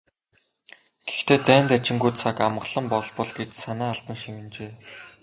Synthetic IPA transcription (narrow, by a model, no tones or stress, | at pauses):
ɡ̥e̥xt̪eːt̪æːnt̪æt͡ɕɪ̆ŋɡujt̪t͡sʰakamɢəɮə̆mpɔɮpɞ̆ɮɡet͡ɕsanaːɮt̪ə̆nʃimɘ̆nt͡ɕeː